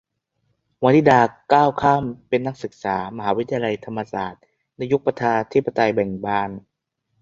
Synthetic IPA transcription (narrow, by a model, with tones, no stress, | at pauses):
wa˧nt̪ʰiː˥˩daː˧kaː˥˩wkʰaː˥˩mpe˧nːa˦˥k̚sɯ˨˩k̚saː˩˦ma˧ɦaː˩˦wi˦t̪ʰa˧ja˧la˧jt̪ʰa˧mːa˧saː˨˩t̪̚ | nɛ˦˥ju˦˥k̚pa˧t̪ʰaː˧nt̪ʰi˦˥pːa˧t̪a˧jbɛ˨˩ŋbaː˧˩n